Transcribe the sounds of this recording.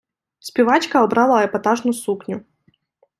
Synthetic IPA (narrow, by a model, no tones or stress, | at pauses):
spʲɪvat͡ɕkɐɐbɾalˠaɐɛpɐt̪aʐnʊsuknʲʊ